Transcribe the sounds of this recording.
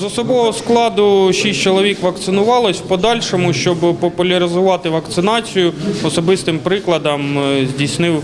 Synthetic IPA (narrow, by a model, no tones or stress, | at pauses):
zɔsɔbɔɦɔsklˠɑd̪ʊʃisʲt͡ʃɔlˠɔʋʲikʋɐkt̪sɪnʊʋɑlˠɪsʲpɔd̪ɑlʲʃɔmʊʃt͡ʃɔbpɔpʊlʲɐɾɪzʊʋɑt̪ɪʋɐkt̪sɪnɑt͡sʲijʊɔsɔbɪst̪ɪmpɾɪklˠɐd̪ɐmzʲdʲisnɪw